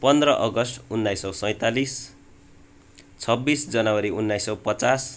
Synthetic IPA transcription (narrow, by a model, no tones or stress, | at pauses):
pʌnd̪rʌʔʌɡʌsʈunːajsʌwsʌ̃j̃t̪alis | t͡sʰʌbːisd͡zʌnawʌɾiunːajsʌwpʌt͡sas